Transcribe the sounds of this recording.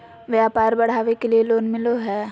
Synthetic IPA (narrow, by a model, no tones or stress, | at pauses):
ʋjaːpaːɾbɐɽ̤aːʋekelieloːnmɪloɦɛː